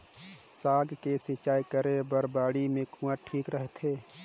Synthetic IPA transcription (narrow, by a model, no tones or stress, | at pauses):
saːɡkesit͡ʃaːjkəɾebəɾbaːɽimẽkʰũaʈʰiːkɾəɦt̪ʰeː